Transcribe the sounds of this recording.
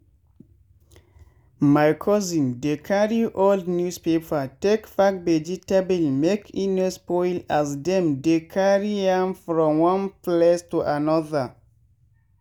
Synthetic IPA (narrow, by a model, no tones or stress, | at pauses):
makʰɔzĩndekʰaɹiʔoldnjuspepʰatekfak̚bed͡ʒitabilmekʰĩnɛspɔjlazdɛ̃mdekʰaɹiãmfɹɔ̃mwɔ̃nplɛstuʔanɔðə